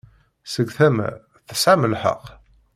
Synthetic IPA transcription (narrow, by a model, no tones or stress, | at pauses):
səɡθæmæ̰ | θə̥sʕaməlħə̰q